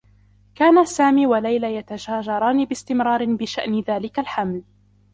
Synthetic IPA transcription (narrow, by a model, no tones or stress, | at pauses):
kaːnasaːmiːwalajlajat̪ad͡ʒaːʒɑɾˤɑːniːbɪst̪ɪmɾɑːɾˤɪbɪʃaʔnɪðaːlɪkalħaml